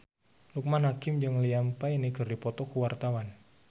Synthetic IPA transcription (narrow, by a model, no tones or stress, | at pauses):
luk̚manɦakɪmd͡ʒɨŋliampajniɡərdipɔt̪ɔkuwart̪awan